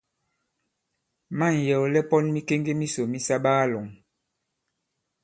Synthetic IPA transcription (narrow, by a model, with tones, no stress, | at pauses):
ma˦˨n˨jɛ˨wɔ˨lɛ˦pɔ˦nmi˦ke˦ŋɡe˦mi˦so˨mi˦sa˦ɓa˦a˦lɔ˨ŋ